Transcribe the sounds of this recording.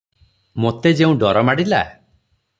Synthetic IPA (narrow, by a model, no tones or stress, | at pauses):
mot̪ed͡ʒeũɖɔɾɔmaɽila̰